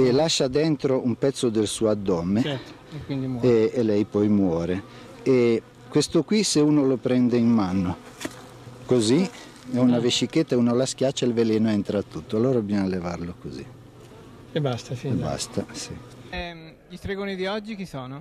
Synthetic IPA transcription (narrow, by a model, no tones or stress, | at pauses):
elaʃːad̪ɛnt̪ɾoumpɛt̪sːod̪elsuːad̪ːɔmːeɛ | kwind̪iɛːlɛjpɔjmwɔːɾe | e | kwest̪okwiseuːnolopɾɛnd̪eimmanːo | kozi | ɛunavet͡ʃːiket̪ːauːnolask̟jat͡ʃːailveleːnoɛnt̪ɾat̪ːut̪ːoalːoːɾabijɔnalevaɾlokozḭ | ebast̪aiba̰st̪asi | ɛ | ʎist̪ɾeɡoːnid̪iɔd͡ʒːik̟isoːno